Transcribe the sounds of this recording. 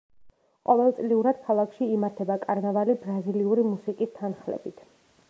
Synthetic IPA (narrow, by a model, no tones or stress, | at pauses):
qʼɔvɛlˠt̪sʼliuɾad̪̥̚kʰalˠakʰʃiːmaɾt̪ʰɛbakʼaɾnavalibɾaziliuɾimusikʼist̪ʰanχlɛ̰bit̪ʰ